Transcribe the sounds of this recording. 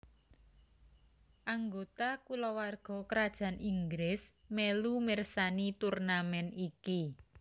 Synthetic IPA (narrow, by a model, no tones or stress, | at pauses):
ʔaŋɡot̪akulɔwarɡ̥ɔ̤kəɾad̥ʒ̥ä̤nʔiŋɡɾɪsmɛlumɪrsanit̪urnamɛniki